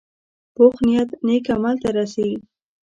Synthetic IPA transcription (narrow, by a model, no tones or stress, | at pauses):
poxnijat̪nekamalt̪aɾasawi